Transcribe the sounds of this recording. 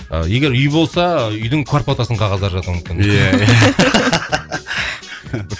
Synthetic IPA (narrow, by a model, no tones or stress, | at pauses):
ə̰je̞ɡʲe̞ɾʏjbo̞lˠsɑʏjd̪ɪŋkʰʊarpot̪asəɴqʰɑʁɑzd̪ɑɾʒɑt̪əɾməkʲɪn